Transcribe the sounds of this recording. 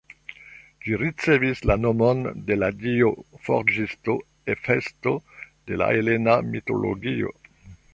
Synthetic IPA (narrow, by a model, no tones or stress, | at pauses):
d͡ʒiɾit͡se̞vislanomonde̞ladiofo̰ɾd͡ʒisto | efestod̥e̞la̰ele̞namito̞̰lo̰ɡio̞̰